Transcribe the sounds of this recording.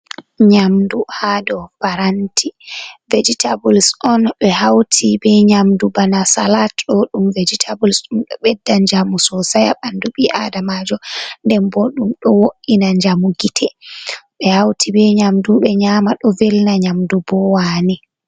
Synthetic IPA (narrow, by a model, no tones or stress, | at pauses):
ɲamduhadɔbaɾantʰived͡ʒitʰabulisʔɔnɓɛɦawtʰibɛɲamdubanasalatɗɔɗumved͡ʒitʰabulisɗumɓɛɓɛdːand͡ʒamusɔsajaɓanduɓiʔa̰damad͡ʒɔndɛmbɔɗumɗɔwoʔinaɲd͡ʒamuɡitʰɛɓɛhawtʰibɛɲamduɓɛɲamaɗɔvelnaɲamdubɔwaːni